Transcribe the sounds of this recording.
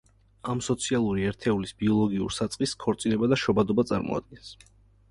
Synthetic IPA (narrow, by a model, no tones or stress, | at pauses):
amsɔt̪sʰialˠuɾiɛɾt̪ʰɛulisbiɔlˠɔɡiṵɾsat̪sʼqʼiskʰɔɾt̪sʼinɛbad̪aʃɔbad̪ɔbat̪sʼa̰ɾmɔ̰a̰d̪̥̚ɡɛns